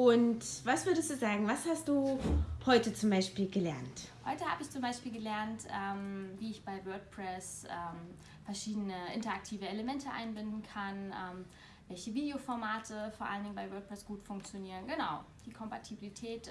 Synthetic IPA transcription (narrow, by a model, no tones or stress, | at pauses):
ʔʊntv̥asv̥ʏɐdəstd̥uːzaːɡŋ̩vashast̚d̥uːhɔʏtət͡sʊmbaɪʃpiːlɡəlɛɐnthɔʏtəhaːbəɪçt͡sʊmbaɪʃpiːlɡəlɛɐntʔɛːmviːɪçb̥aɪvœɐt̚pʁ̥ɛsʔɛːm | fɛɐʃiːdənəʔɪ̰ntɐak̚tʰiːvəeləmɛntʰəʔa̰ɪnbɪndn̩kʰanʔɛːm | vɛlçəviːdeofɔɐmaːtʰəfoːɐʔaləndɪŋbaɪvœɐt̚pʁ̥ɛsɡ̥uːtfʊŋk̚t͡sjoniːʁ̞ənɡənaʊd̥iːkʰɔmpatʰibilitʰɛːt